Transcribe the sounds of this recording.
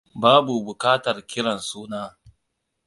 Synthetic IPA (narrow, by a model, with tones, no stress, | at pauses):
baː˦bu˨bʊ˨kaː˦tɐ˨rkʲɪ˦ɽɐ˨nsuː˦naː˦